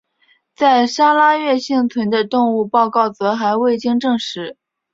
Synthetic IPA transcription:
t͡sa˥˩ɪʂa˥la˥ɥɛ˥˧ɕi˥˩ŋt͡sʰwə˧˥nd̪ə˧t̪ʊ˥˧ŋu˥˧pɑ˥˧ʊkɑ˥˩ʊt͡sɤ˧˥xa˧˥ɪwe˥˩ɪt͡ɕi˥ŋʈ͡ʂɤ˥˧ŋʂɻ̩˧˥

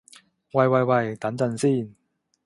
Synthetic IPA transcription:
wɐ˨jwɐ˨jwɐ˨jt̪ɐ˨˥nt͡sɐ˨nsiː˥˩n

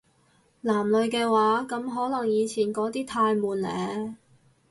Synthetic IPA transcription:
laː˨˩mlɵ˨˧ɥkɛː˧waː˨˥kɐ˨˧mɦɔː˨˥lɐ˨˩ŋjiː˨˧t͡sʰiː˨˩nkɔː˨˥t̪iː˥t̪ʰaː˧jmuː˨˩nlɛː˨˧

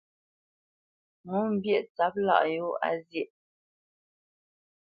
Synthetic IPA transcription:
mo˦m̩˦bjɛ˦˨ʔt͡sa˦p̚la̰˦˨ʔjo˦a̰˦zjɛ˦˨ʔ

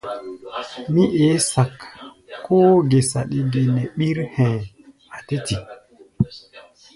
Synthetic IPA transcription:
mi˦ʔe˨˦sa˨kʰː | o˦ɡe˨sa˨ɗi˦ɡe˨ne˨ɓi˦ɾhɛ̃˨ | a˨te˦ti˨

